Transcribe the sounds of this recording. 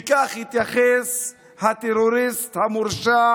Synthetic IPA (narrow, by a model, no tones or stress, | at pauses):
kʼaχit̪ʼjaχes | hat̪ʼeɾoɾist̪ʰhamuɾʃa